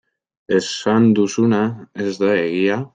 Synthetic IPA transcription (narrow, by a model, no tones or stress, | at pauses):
e̞sand̪usunaezðaeɣia